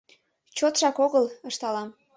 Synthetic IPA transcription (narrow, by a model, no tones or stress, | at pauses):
t͡ɕot̪ʃɑkoɣələʃt̪ɑlɑm